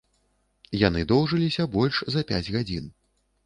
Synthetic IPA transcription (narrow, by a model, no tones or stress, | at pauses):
janɨd̪ɔwʐɨlʲisʲɐbɔlʲʂzɐpʲa̰d͡zʲɣad͡zʲin